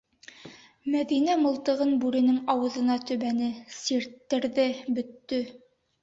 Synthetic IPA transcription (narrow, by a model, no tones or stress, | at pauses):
mæðinæmɤ̆lˠt̪ɤ̆ʁɤnbʉɾɘ̆nɘŋɑwɤ̆ðɤ̆nɑt̪ɵ̆βænɘsiɾt̪ːɘ̆ɾðɘbɵ̆t̪ːɵ